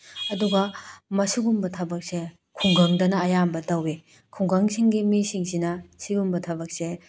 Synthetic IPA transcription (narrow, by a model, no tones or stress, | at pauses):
ɐduɡɐmɐsuɡumbɐtʰɐbɐk̚se | kʰuŋɡɐŋdɐnɐːjambɐtɐwe | kʰuŋɡɐŋsiŋɡimisiŋsinɐsiɡumbɐtʰɐbɐk̚se